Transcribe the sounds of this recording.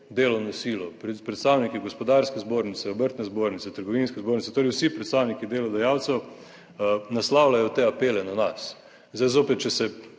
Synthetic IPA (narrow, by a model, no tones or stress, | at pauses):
d̪eːlɔnɔsiːlɔpɾpɾɛt̪st̪awnikiɡɔspɔd̪aɾskɛzboːɾnit̪sɛobəɾt̪nɛzboːɾnit̪sɛt̪əɾɡɔʋinskɛzboːɾnitsɛt̪oːɾɛwsipɾɛt̪st̪aːwnikid̪eːlɔd̪ɐjawt̪sɛw | naslaːwlajɔt̪eapeːlɛnanas | zd̪ajzoːpɛt̪̚t͡ʃɛsɛ